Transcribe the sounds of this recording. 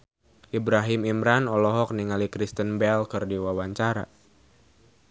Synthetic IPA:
ʔibɾaɦimimɾanɔlɔɦɔk̚niŋalikɾist̪ənbɛlkɨrdiwawaɲt͡ʃaɾa̰

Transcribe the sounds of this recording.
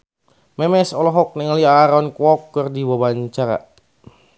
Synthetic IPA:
mɛmɛsɔlɔɦɔk̚nɛŋaliaːɾɔnkwɔkːɨrdiwabaɲt͡ʃaɾa̰

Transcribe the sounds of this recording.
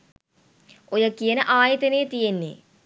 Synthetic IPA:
ojəkijənəʔaːjet̪enejət̪ijenːḛ

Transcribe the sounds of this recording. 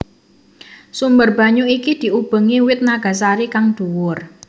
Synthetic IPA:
sumbərb̥a̤ɲuikid̪̥i̤ub̥ə̤ŋiwɪt̪̚naɡ̥a̤s̬aɾikaŋd̪̥uwʊr

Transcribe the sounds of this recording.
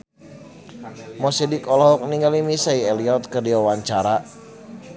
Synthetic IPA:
mɔsidikɔlɔɦɔk̚niŋɡalimisaiɛliɔt̪̚kərdiwawaɲt͡ʃaɾa

